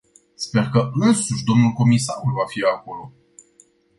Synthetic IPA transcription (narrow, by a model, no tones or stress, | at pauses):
spe̞rkəɨnsuʃʲd̪omnulko̞misaulvafiako̞lo̞